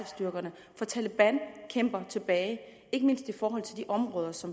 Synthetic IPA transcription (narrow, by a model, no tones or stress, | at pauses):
sd̥yɐɡ̥ɐnə | fɒ̽t͡sʰæləb̥æn̰kʰem̰b̥ɐt͡sʰe̝b̥ɛːɪ | e̝ɡ̥əme̝n̰sd̥e̝fɒːɦɒ̽l̰t͡sʰe̝ld̥iʔɒ̽mʁɔ̽ːð̞ˠɐsɒ̽m